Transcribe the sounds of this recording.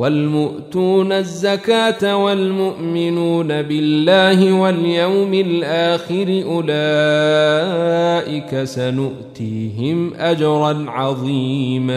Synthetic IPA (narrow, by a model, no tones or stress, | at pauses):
walmʊʔt̪uːnazːakaːt̪awalmʊʔmɪnuːnabɪlːaːɦɪwaljawmɪlʔaːxɪɾɪʔʊlaː | ʔɪkasanʊʔt̪iːɦɪmʔad͡ʒɑɾˤɑnʕɑðˤiːma